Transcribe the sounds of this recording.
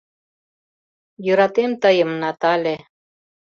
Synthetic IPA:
jøɾɑt̪emt̪əjəmnɑt̪ɑlʲe

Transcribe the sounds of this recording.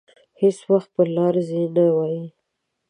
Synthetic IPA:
heswaxt̪̚pəlɑɾzenawɑji

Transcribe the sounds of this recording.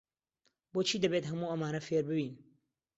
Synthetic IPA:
boːt͡ʃʰiːd̪ɐbeːt̪ɦɐmuːɐmaːnɐfeːɾbɨbiːn

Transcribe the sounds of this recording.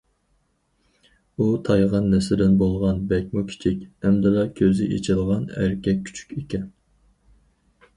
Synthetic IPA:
ut̪ʰɑjʁɑnːɛsɪd̪ɪnbolˠʁɑnbɛkʲmukʲʰi̥t͡ʃʰikʲɛmd̪ɪlɑkʲʰøzɪʔḛt͡ʃʰɪlˠʁɑnæ̰ɾkʲʰɛk̚ʲʰːy̥t͡ʃʰy̥kʲekʲɛn

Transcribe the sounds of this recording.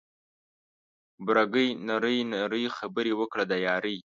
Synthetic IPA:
bɾaɡəjnaɾəjnaɾəjxabəɾewəkɽad̪ajɑɾəj

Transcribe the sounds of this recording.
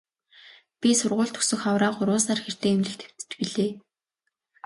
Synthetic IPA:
pʲisʊrʁʊːɮt̪ʰɵ̥sɵ̆xawɾaːχʊɾʊːsaːrxer̥t̪eːemɮɘ̆xt̪ʰe̥w̥t̪ɘ̥̆piɮeː

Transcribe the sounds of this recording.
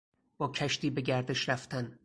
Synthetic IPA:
b̥ɒːcʰæʃt̪iːbe̞ɟʲæɾd̪eʃɾæft̪ʰæn

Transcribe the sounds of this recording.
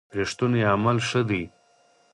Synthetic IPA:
pɾeʂt̪uneamalʂəd̪i

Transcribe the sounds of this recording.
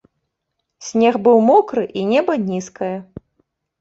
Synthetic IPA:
sʲnʲɛɣbɨwmɔkɾɨʔinʲɛbɐnʲiskɐjɐ

